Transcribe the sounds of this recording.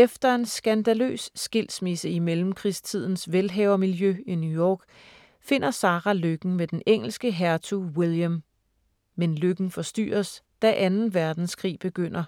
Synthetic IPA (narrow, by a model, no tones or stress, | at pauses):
efd̥ɐe̝nsɡ̥ænd̥ælø̰ːsːɡ̥il̰smisəimelm̩kʰʁist͡sʰið̞̰ˠn̩sʋelɦɛʊɐmiljøinjujɒ̰ːɡ̥ | fe̝n̰ɐsɑ̈ːʁɑløɡ̥n̩med̥eneŋ̰l̩sɡ̥əɦæɐt͡sʰuwilˠjəm | menløɡ̥n̩fɒ̽sd̥y̰ːɐsd̥æʔænn̩ʋæɐd̥n̩skʰʁḭːb̥e̝ɡ̥øn̰ɐ